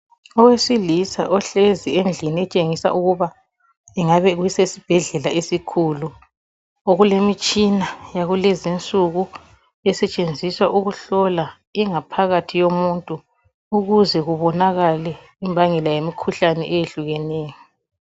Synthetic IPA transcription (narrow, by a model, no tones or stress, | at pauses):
ɔwesilisa̰ʔɔɬezienɮinɛt͡ʃʼeŋisa̰ʔuɣuβa | ɛŋaβɛɣuisesib̥ʱɛɮɛlaesikʰulu | oɣulemit͡ʃʼinajaɣulɛzint͡sʼuɣu | ɛsɛt͡ʃʼend͡zʱiswaʔuɣuɬɔla | iŋapʰaɣatʰijomuntʼuː | ɣuzɛɣuβɔnaɣalɛ | imbʱaŋɛlajemikʰuɬanɛʔɛjeɬuɣɛneːjɔ